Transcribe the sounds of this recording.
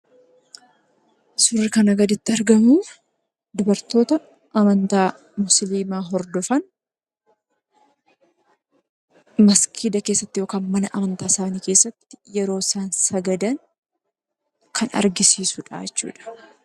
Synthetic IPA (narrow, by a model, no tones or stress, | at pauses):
sʊrːɪkɐnɐɡɐd̪ɪt̪ːɪɐɾɡɐmu | d̪ʊbɐɾt̪o̞ːt̪ɐ | ʔɐmɐnt̪aː | mʊsliːmaːɦɔɾd̪ɔfɐn | mɐskʰiːd̪ɐke̞ːsːɐt̪ːɪjoːkaːnmɐnɐʔɐmɐnt̪aːsaːniːkeːsːɐt̪ːɪ̥jɛɾo̞ːsaːnsɐɡɐd̪ɐŋ | kʰɐnɐ̰ɾɡɪsiːsʊᶑa̰ːɛt͡ʃːṵːᶑɐ̥